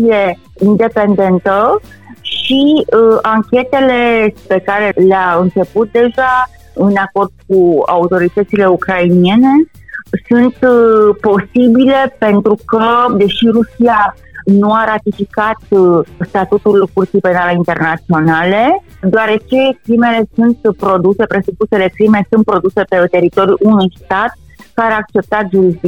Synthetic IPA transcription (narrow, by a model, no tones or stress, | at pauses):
sije | ind̪e̞pe̞nd̪e̞nt̪ə | ʃiaŋkʲe̞t̪e̞le̞pe̞kaɾe̞leaɨnt͡ʃe̞put̪̚d̪e̞ʒa | ɨnako̞rd̪̥̚kua̰ut̪o̞ɾit̪ət̪sile̞ukɾainije̞ne̞ | sunt̪po̞sibile̞pe̞nt̪ɾukəd̪e̞ʃirusia | nuaɾat̪ifikat̪st̪at̪ut̪ulkurt̪sipe̞naleint̪e̞rnat̪sio̞nale̞ | d̪oaɾe̞t͡ʃe̞kɾime̞le̞sunt̪pɾo̞d̪use̞pɾe̞supuse̞le̞kɾime̞sunt̪̚pɾo̞d̪use̞pet̪e̞ɾit̪o̞ɾjuʔunujst̪at̪̚ | kaɾeak̚t͡ʃe̞p̚t̪at̪ʒuɾizd̪i